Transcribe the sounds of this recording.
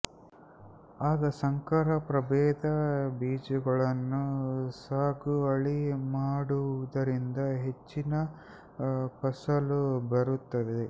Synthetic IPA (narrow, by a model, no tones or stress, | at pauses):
aːɡɐsɐŋkɐɾɐpɾɐbɛːd̪ɐbiːd͡ʒuɡɐɭɐnːusaːɡuɐɭimaːɽuud̪ɐɾind̪ɐɦe̞t͡ʃːinɐ | pɐsɐlubɐɾut̪ːɐʋed̪e